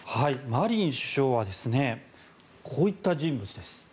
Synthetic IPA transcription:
haimaɾʲĩɰ̃ɕɨ̥ɕo̞ːβad̪e̞sɨne̞ | kʰo̞ːit̪ːaʑĩmbɯ̟t͡sɨd̪e̞sɨ̥

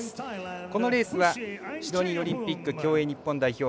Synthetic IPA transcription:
ko̞no̞ɾe̞ːsɨβaçid̪o̞ɲ̟io̞ɾʲĩmpʲikːɯ̟kʲo̞ːeːɲ̟ipːõ̞nd̪aiço̞ː

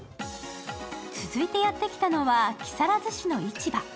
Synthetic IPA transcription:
t͡sɨzɨit̪e̞jat̪ːe̞kʲi̥t̪ano̞βakʲi̥saɾazɨɕino̞it͡ɕiba

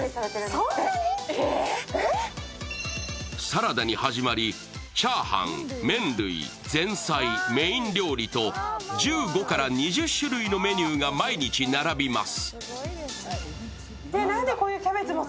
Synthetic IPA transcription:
saɾad̪aɲ̟ihaʑimaɾʲi | t͡ɕaːhã̰ŋmẽ̞nɾɯ̰ḭ | d͡zẽ̞ɰ̃saime̞ĩnɾʲo̞ːɾʲit̪o̞d͡ʑɨːɡo̞kaɾaɲiʑɨɕːɨɾɯino̞me̞ɲʲɨːɡamaiɲ̟it͡ɕinaɾabʲimasɨ̥ | d̪enãnd̪ekoːjɯkʲabet͡sɨmo

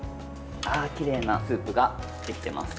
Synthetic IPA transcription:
aːkʲiɾe̞ːnasɯ̟ːpɯ̟ɡa | d̪̥e̞kʲi̥t̪e̞ma̰sɨ̥

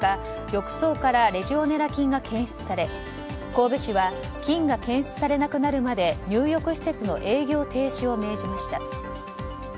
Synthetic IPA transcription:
a | jo̞kɯ̟̥so̞ːkaɾaɾe̞ʑio̞ne̞ɾakʲĩŋɡakʰẽ̞ɰ̃ɕt͡sɨ̥saɾe̞ | ko̞ːbe̞ɕiβa | kʲĩŋɡakẽɰ̃ɕi̥t͡sɨ̥saɾe̞nakɯ̟naɾɯ̟mad̪e̞ɲ̟ɨːjo̞kɯ̟ɕi̥se̞t͡sɨno̞̰ʔe̞ːɡʲo̞ːt̪e̞ːɕio̞me̞ːʑimaɕi̥t̪a

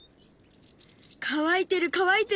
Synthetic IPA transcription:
kʰaβait̪e̞ɾɯ̟kaβait̪e

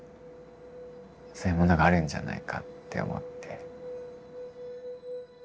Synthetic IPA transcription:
sojɯmo̞no̞ɡaːɾɯ̟̃ɲ̟d͡ʑa̰na̰ikʰat̪ːe̞̰o̰mʔo̞̰t̪ːe̞

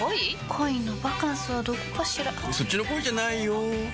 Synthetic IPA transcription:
ikʰoinobakãɰ̃sɨβad̪o̞ko̥kaɕiɾaso̞t͡ɕinokoid͡ʑanaijo

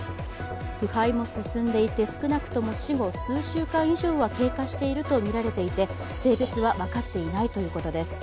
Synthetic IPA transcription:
ɸɯ̟haimo̞sɨsɨ̃nd̪e̞it̪e̞sɨ̥kɯ̟nakɯ̟̥t̪o̞mo̞ɕiɡo̞sɨːɕɨːkãɰ̃iʑo̞ːβake̞ːkaɕi̥t̪e̞iɾɯ̟t̪o̞mʲiɾaɾe̞t̪e̞it̪e̞ | se̞ːbe̞t͡sɨβaβakat̪ːe̞inait̪o̞jɯ̟ːko̞t̪o̞d̪e̞sɨ̥

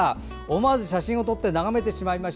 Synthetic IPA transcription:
a | omazɨɕ̬aɕĩo̞t̪o̞t̪ːe̞naɣame̞t̪e̞ɕimaimaɕ

